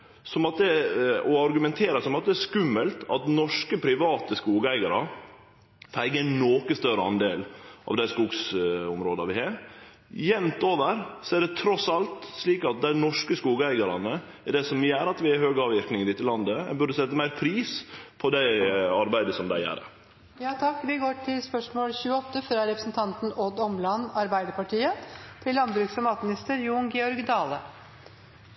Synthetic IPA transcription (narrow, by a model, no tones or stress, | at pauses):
sɔmɑt̪̚d̪ɛɔɑɾɡʉmɛnt̪ʰeːɾəsɔmɑt̪̚d̪ɛɛskʉmːəlt̪ʰɑt̪nɔʂkəpʰɾɪʋɑːt̪əskuːɡəæɪɡɑɾɑ | fæɪɡənoːkəst̪œɾəɑ̰nd̪eːlʔɑ̰ʋd̪æɪskuːɡsʊmɾoːd̪ɑʋɪhɑːɾ | jɛmt̪oːʋəɾsɔæɖɛt̪ʰɾɔsɑlt̪sliːkɑt̪̚d̪æɪnɔʂkəskuːɡəæɪɡɑɾɑnə | ɛɖ̪ɛsɔmjæːɾɑt̪ʋɪɛhøːɡɑːʋɪɾknɪŋəɾɪt̪əlɑnd̪əæbʉɖəsɛt̪ːəmæɪɾpʰɾiːspʰɔd̪æɪɑɾbæɪd̪əsɔmd̪æ̰ɪæ̰ːɾə̰ | jɑːt̪ʰɑkːʋɪɡoːʈʰɪlspœʂmoːlçʉːəɔt̪ːəfɾɑɾɛpɾəsn̩t̪ʰɑnt̪n̩ɔd̪ɔmlɑnːɑɾbæɪd̪əpɑʈiːət̪ʰɪlːɑnd̪bɾʉːksfɪmɑːt̪mɪnɪst̪əɾjuːnɡɛɔɾɡd̪ɑːlə